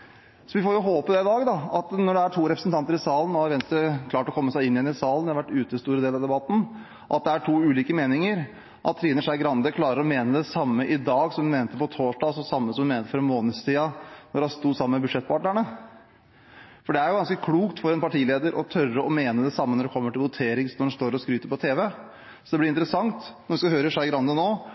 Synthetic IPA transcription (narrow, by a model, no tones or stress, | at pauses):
sɔʋɪfoːɾjʊɦoːpəd̪ɛɪd̪ɑːɡd̪ɑɑt̪nɔɖɛæʈʰuːɾɛpɾəsn̩t̪ɑnt̪əɾɪsɑːlənɔɾʋɛnst̪kʰlɑːʈɔkʰɔmːəsæɪɪnːɪjɛnːɪsɑːlənd̪ɛɑɾʋæʈːʉːt̪əst̪uːɾəd̪eːlɑʋd̪ɛbɑt̪ːn̩ | ʔɑ̰t̪̚d̪ɛæʈʰuːʉːliːkəmeːnɪŋəɾ | ʔɑ̰t̪ʰːɾiːnəʂæɡɾɑnd̪əkʰlɑːɾəɾɔmeːnəd̪ɛsɑmːəʔɪd̪ɑːɡsɔmd̪ʉmeːnət̪əpɔt̪ʰoːʂɖɑːsɔsɑmːəsɔmmeːnət̪əfɔɾɛnmoːnəd̪st̪ʰiːɑnɔɖɛhst̪uːsɑmːənmɛbʉd̪ʂɛt̪̚ːpʰɑʈɳəɳə | fɔɖɛæɾjʊɡɑnskəkʰluːkt̪fɔɾɛnpɑʈʰiːleːd̪əɾʔɔt̪ʰœrəɔmeːnəd̪ɛsɑmːənɔɖɛkʰɔmːəʈɪlʋʊt̪ʰeːɾɪŋsnɔɖɛnst̪oːɾɔskɾyːt̪əɾpɔt̪ʰeːʋɛ | sɔd̪ɛb̪lɪɾɪnt̪ɾəsɑŋt̪nɔɾʋɪskɑhøːɾəʂæɪɡɾɑnd̪ənoː